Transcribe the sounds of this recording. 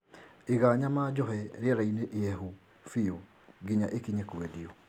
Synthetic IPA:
eɣaːɲamaːd͡ʑɔɦɛɾeaɾaineʔɛɦu | fio | ɡiɲaʔekiɲekwɛdiɔ

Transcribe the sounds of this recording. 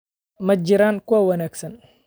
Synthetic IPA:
mɐd͡ʒiɾaːnkʊawɐnaːksɐn

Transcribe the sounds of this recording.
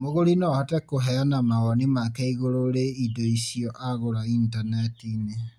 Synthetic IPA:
moɣoɾinɔhatɛkoɦɛanamaɣɔnimakɛiɣoɾoɾeidoisiɔʔaɣoɾaintanɛtine

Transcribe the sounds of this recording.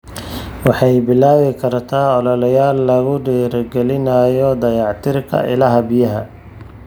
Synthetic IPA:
wɑħɑjbɪlaːβɪkʰɐrt̪ʰaːɔlɔlɐjaːlːɐɣʊɖiːɾɡɛlɪnɐjɔd̪ɐjɑʕt̪ʰɪrkʰɐ̰ʔɪ̰lɐɦɐbɪjɐɦɐ

